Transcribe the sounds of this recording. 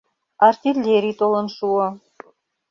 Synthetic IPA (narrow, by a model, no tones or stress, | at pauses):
art̪ʲilʲːeɾʲit̪olˠə̆nʃuə